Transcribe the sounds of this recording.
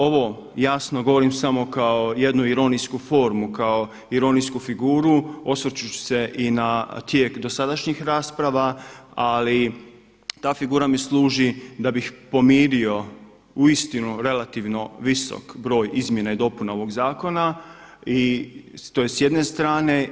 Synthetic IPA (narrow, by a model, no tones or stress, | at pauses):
o̞ʋo̞ | jasno̞ɡo̞ʋo̞ɾimsamo̞kao̞je̞d̪nuiɾo̞niskufo̞ːɾmukao̞ | iɾo̞niskufiɡuːɾuo̞sʋoɾt͡ʃut͡ʃu̥se̞ʔinat̪je̞ːkd̪o̞sad̪aʃɲixɾaːspɾaʋaali | t̪aːfiɡuːɾamislˠuːʒid̪abixpo̞miːɾio̞ | uist̪inuɾe̞lat̪iʋno̞ʋiso̰kbɾo̞ːjizmje̞naid̪o̞punaoʋo̞ɡzaːko̞na | it̪ojesje̞d̪ne̞st̪ɾaːne̞